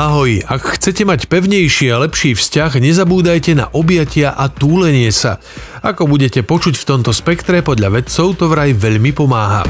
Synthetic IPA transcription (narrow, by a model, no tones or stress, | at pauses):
aɦɔjakxt͡sɛcɛmacpɛʊɲɛjʃialɛpʃiːfscaɣɲɛzabuːd̪ajcɛna̰ʔɔbjacɪaʔat̪uːlɛɲɪɛsa̰ | akɔbuɟɛcɛpɔt͡ʃucft̪ɔmt̪ɔspɛkt̪ɾɛpɔd̪ʎaʋɛt͡sɔʊt̪ɔʋɾajʋɛʎmipɔmaːɦa̰